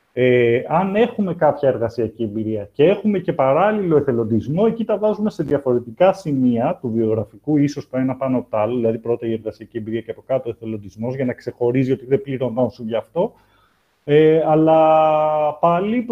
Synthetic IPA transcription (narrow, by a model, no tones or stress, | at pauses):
eɐne̞xume̞kɐpçɐe̞ɾɣɐsiɐciembiɾiɐce̞e̞xume̞ce̞pɐɾɐlilo̞eθe̞lo̞nd̪izmo̞e̞cit̪ɐvɐzume̞se̞ðiɐfo̞ɾe̞t̪ikɐsimiɐt̪uvio̞ɣɾɐfikuiso̞st̪oenɐpɐnot̪ɐloðilɐðipɾo̞t̪ɐie̞ɾɣɐsiɐciembiɾiɐceɐpo̞kɐt̪oe̞θe̞lo̞nd̪izmo̞zʝɐnɐkse̞xo̞ɾizio̞t̪iðepliɾo̞no̞sunʝɐːft̪o̞ | eɐlɐ | pɐlip